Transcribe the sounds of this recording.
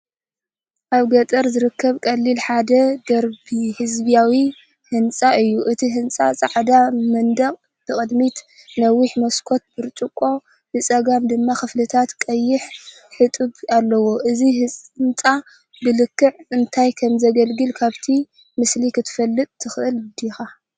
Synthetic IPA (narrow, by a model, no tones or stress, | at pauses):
ʔaβɡɐt̪ʼɐɾzɨɾɨkʰːɐβkʼɐlːilħad̪ɐd̪ɐɾbihɨzbijawi | hɨnt͡sʼaʔɨjːuʔɨt̪ʰiɦɨnt͡sʼa̰sʼaʕd̪amɐnd̪ɐqʼ | b̥ɨkʼɨd̪mit̪ | nɐwiħmɐskʰo̞t̪̚bɨɾt͡ʃ̪ʼɨkʼo̞ | bɨt͡sʼɐɡamd̪ɨmːaxɨflɨt̪ʰat̪kʼɐjːɪħ | ħɨt̪ʼɨβalːɐwo̞ʔɨzihɨnt͡sʼa | bɨlɨkːɨʕɨnt̪ʰajkʰɐmzɐɡɐlɡɨlkʰaβt̪ʰi | mɨslikʰɨt̪ʰɨ̥fɐlːɨt̪ʼt̪ʰɨxʔɨld̪ixa